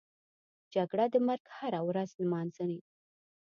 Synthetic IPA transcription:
d͡ʒaɡɽad̪əmaɾɡhaɾawɾaznmɑnzəne

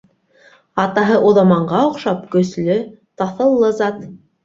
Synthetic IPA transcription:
ɑt̪ɑɦɤʔuðɑmɑɴɢɑŏqʃɑp̚kɵ̆slɵt̪ɑθɤ̆lˠːɤzɑt̪

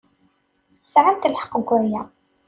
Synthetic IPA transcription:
θəsʕamt̪əlħə̥qːəɡʷːʊɾjæ

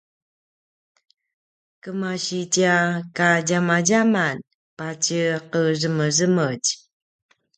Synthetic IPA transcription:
kəmaɕit͡ɕakaɟamaɟaman | pat͡ɕəqərəməzəməɟ

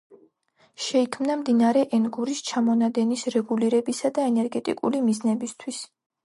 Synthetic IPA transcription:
ʃɛikʰmnamd̪inaaɾɛʔɛnɡuɾist͡ʃʰamɔnad̪ɛnisɾɛɡuliɾɛbisad̪aɛnɛɾɡɛt̪ʼḭkʼṵlimiznɛbist̪ʰwis

